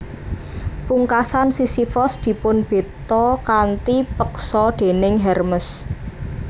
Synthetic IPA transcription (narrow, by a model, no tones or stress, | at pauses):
puŋkasansisifɔsd̪̥i̤pʊnb̥e̤t̪ɔkant̪ipəksɔd̪̥e̤nɪŋɦɛrməs